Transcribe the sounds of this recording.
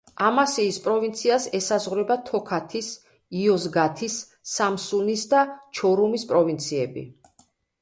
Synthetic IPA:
amasiːspʼɾɔvint̪sʰiasɛsazʁɾɛbat̪ʰɔkʰat̪ʰis | iɔzɡat̪ʰisː | amsunisd̪at͡ʃʰɔɾumispʼɾɔvint̪sʰiɛbḭ

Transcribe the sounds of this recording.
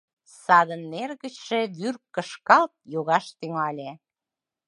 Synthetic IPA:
sɑd̪ənːerɣət͡ɕʃeβyrkkːəʃkɑlt̪̚joɣɑʃt̪yŋɑlʲe

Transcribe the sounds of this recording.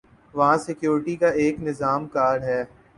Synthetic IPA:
ʋɐɦãsɪkjoːɾɪʈikaeːknɪzaːmkaːɾɦɛː

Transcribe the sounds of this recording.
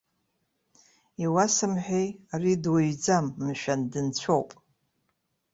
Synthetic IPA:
iwasɨmħʷᶣejaridwaɥd͡zamːʃᶣandɨnt͡ɕʷʰowpʼ

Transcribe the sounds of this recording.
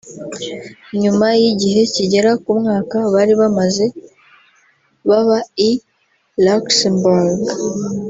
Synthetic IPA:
ɲumajiɟiɦe̞ciɟe̞ɾakumŋaːkaβaɾiβamaze̞ | βaβai | laksembuɾɡ

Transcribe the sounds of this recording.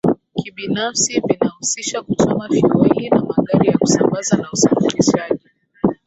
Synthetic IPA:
kiɓinafsivinahusiʃakut͡ʃɔmafiɾahiinamaɠaɾijaku̥sambazanausafiliʃaʄi

